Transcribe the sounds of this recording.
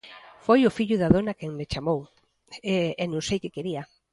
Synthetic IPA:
fojʊfiʎʊðaðonakɛŋmet͡ʃamow | enõŋsejkɪkeɾiɐ

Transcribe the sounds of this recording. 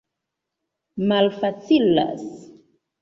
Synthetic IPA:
malfat͡sila̰s

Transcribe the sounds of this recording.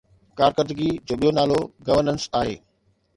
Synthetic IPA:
kaːɾkəɾd̪ɡid͡ʑoːɓijonaːloɡɐʋəɾnənsaːɦḛː

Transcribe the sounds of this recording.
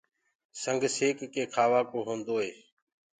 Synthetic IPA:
səŋɡʱseːkkeːkʰaːʋaːkoːɦõːnd̪oːɦeː

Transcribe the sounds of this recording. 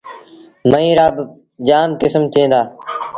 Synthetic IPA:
məĩːɾaːb | d͡ʒaːmkɪsmt̪ʰẽːnd̪aː

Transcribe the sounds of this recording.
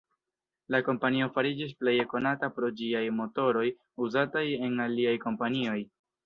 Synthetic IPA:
lako̞mpanio̞faɾid͡ʒis̬ple̞jeko̞natapɾo̞d͡ʒiajmo̞to̞ɾo̞j | uzataje̞naliajko̞mpanio̞j

